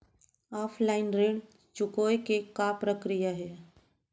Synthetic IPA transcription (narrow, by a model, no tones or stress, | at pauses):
aːpʰlaɪnɾeɳ | t͡ʃʊkoːjkekapɾəkɾijaɦɛ